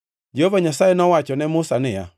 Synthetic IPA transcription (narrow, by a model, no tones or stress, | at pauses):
d͡ʒehovaɲasajɛnɔwat͡ʃɔnɛmʊsanɪja̰